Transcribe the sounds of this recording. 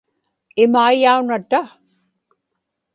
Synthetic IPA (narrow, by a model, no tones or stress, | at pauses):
ɪmajaunat̪a